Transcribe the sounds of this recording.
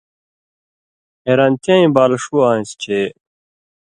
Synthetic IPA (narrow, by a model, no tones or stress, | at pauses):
eɾant̪ãĩbaːlɐʂuãːĩst͡ɕʰe